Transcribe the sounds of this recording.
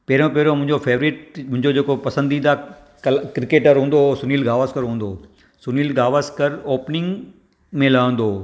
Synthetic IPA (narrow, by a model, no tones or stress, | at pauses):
peɦɾõpeɦɾomʊ̃ɪ̃ɲd͡ʑofʰeːʋɾiːʈmʊ̃ɦɪ̃ɲd͡ʑod͡ʑeːkopɐsə̃nd̪id̪a | klkɾɪkeːʈəɾɦũːnd̪osʊniːlɡaːʋəskəɾɦũːnd̪oː | sʊniːlɡaːʋəskəɾoːpnɪ̃ŋɡ | mẽlɐə̃n̆d̪oː